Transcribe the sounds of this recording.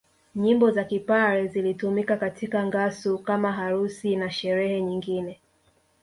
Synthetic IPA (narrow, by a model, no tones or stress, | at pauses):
ɲimbɔzakipaɾɛzilitumikakatʰikaŋɡasukamaɦaɾusinaʃɛɾɛhɛɲiŋɡinɛ